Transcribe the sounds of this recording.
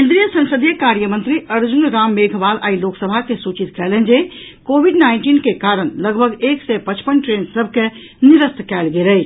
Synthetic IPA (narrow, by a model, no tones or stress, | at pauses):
kẽnd̪ɾijəsə̃nsəd̪ʱijəkaɾjəmə̃nt̪ɾiəɾd͡ʒunɾaːmːeɡʱʋala̰ːiloksəbʱakesut͡ʃit̪kɛɦlend͡ʒekobʱiɖnaɪnʈinkekaɾəɽ̃ləɡbʱəɡeːksɛpət͡ʃpənʈɾensəb̚ʱke | niɾəst̪ʰkɛːlɡelə